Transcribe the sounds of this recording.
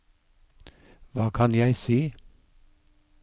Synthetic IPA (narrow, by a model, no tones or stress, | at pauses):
ʋɑːkʰɑnjæɪsiː